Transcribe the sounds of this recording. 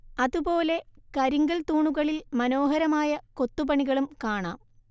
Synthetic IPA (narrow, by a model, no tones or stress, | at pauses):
ɐðupo̞ːle̞kɐɾiŋɡɐlt̪uːɳuɣɐɭilmɐno̞ːɦɐɾɐmaːjɐko̞t̪ːupɐɳiɣɐɭumkaːɳa̰ːm